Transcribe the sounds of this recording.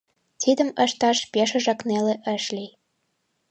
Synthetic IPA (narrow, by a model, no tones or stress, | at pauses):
t̪id̪ə̆mə̆ʃt̪ɑʃpʲeʃə̆ʒɑkneleʔə̆ʃlʲi